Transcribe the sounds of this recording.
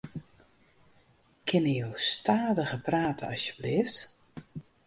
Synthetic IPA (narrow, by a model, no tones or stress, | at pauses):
kʰɪnəjowstaːdəɣəpraːtʰə̰ɑsjəblɪft